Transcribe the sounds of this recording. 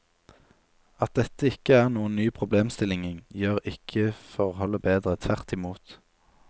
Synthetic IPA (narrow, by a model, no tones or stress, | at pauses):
ɑt̪̚d̪ɛt̪əɪkəæːʁnuːənnyːpʰʁʊbleːmst̪ɪlɪŋɪŋjøːʁɪkʰəfɔʁhɔlːəbeːd̪ʁət̪ʰʋæʁt̪ɪmuːt̪